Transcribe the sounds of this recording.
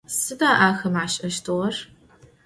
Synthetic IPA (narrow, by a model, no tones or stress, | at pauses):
sɨdaːʔaːxɐmʕaɕʼʔɐʃtʰɨʁɐr